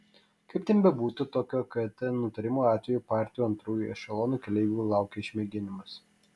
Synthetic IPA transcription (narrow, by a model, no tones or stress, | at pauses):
kɐɪp̚ʲt̪ʲɛnbʲɛbuːt̪ʲut̪oːkʲoːkɐt̪ʲɛnʊt̪ɐɾʲɪmuːɑːt̪ʲʋʲɛjuːpɑːˑɾʲt̪ʲɪjuɐnt̪ɾuːjuɛʃʲɛlˠoːnuːkʲɛlʲɛɪʋʲuːlˠɑˑʊkʲeɪʃʲmʲeːɡʲɪnʲɪmɐs